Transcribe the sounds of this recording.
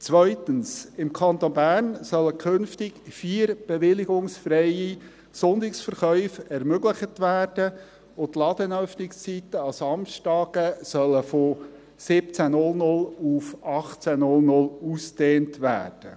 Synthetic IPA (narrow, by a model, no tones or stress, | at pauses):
t͡sʋœʏtənsɪmkʰɑnt̪onbæːrnsœlːəkʰɵnftɪkfiːəɾb̥ɛʋɪlɪɡʊŋsfɾɛji | sʊnd̪ɪksfəɾχœʏfɛɾmøɡləχətʋæːrd̥ə | ʊt̪lɑd̪ənœfnɪkst͡sitəɑsɑmʃtɑːɡ̥əsœlːəfo | sɪpt͡sænʊlnʊlufɑχt͡sænʊlnʊlusd̥eːntʋæ̰ːrd̥ə